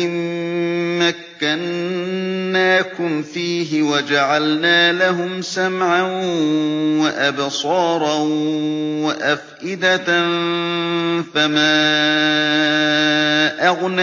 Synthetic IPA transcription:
ɪː | akːanː | aːkʊmfiːɦɪwad͡ʒaʕalnaːlaɦʊmsamʕa | waʔabsˤɑːɾˤɑ | waʔafʔɪd̪a | famaː | ʔaɣna

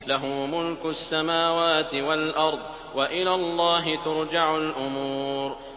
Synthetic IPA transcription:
laɦʊmʊlkʊsːamaːwaːt̪ɪwalʔɑɾˤd̪ˤ | waʔɪlaːlˤːɑːɦɪt̪ʊɾd͡ʒaʕʊlʔʊmuuːɾ

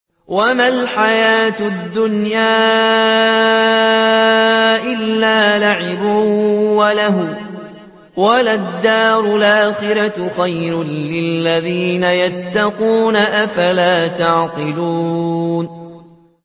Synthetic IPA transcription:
wamalħajaːt̪ʊd̪ːʊnjaː | ʔɪlːaːlaʕɪbʊwalaɦʊ | walad̪ːaːɾʊlʔaːxɪɾaxajɾʊnːɪlːaðiːnajat̪ːɑquːnaʔafalaːt̪aʕqɪluːn

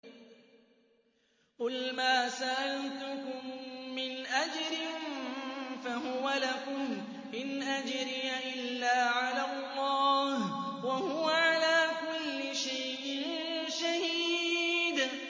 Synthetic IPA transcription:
qʊlmaːsaʔalt̪ʊkʊmːɪnʔad͡ʒɾɪn | fahʊwalakʊm | mɪnʔad͡ʒɾɪjaʔɪlːaːʕalalːɑːhwahʊwaʕalaːkʊlːɪʃajʔɪn | ʃahiːd̪

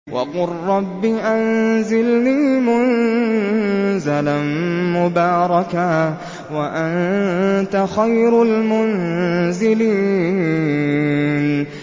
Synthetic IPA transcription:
wʔa̰qʊˤːɑbːiʔanzɪlniːmʊn | zalamʊbɑːɾˤɑka | waʔant̪axajɾalmʊnzɪliː | n

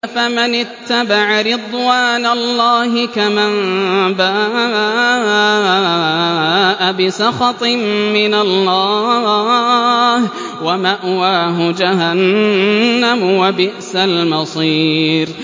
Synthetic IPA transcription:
famɪnɪt̪ːabaʕaɾɪd̪ˤwaːnalːaːhɪkamambaː | ʔabɪsɑxɑt̪ˤɪmːɪnalːaː | h | wamaʔwaːɦʊd͡ʒaɦanː | amʊwabɪʔsalmɑsˤiːɾ

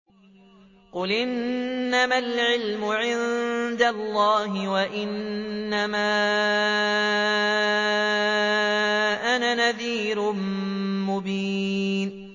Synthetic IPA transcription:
qʊlʔɪnːamalʕɪlmʊʕɪnd̪alˤːɑːɦɪwaʔɪnːamaː | ʔanaːnaðiːɾʊmmʊbiːn

